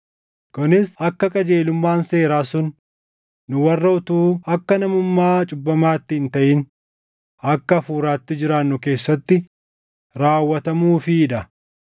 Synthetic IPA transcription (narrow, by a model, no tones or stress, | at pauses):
kʊnɪsɐkːɐkʼɐd͡ʒe̞ːlʊmːaːnse̞ːɾaːsʊnː | ʊwɐrːɐʊt̪uːɐkːɐnɐmʊmːaːt͡ʃʼʊbːɐmaːt̪ːɪɪnt̪ɐʔɪn | ɐkːɐːfuːɾaːt̪ːɪd͡ʒɪɾaːnːʊke̞ːsːɐt̪ːɪ | ɾaːwːɐt̪ɐmuːfɪːᶑɐ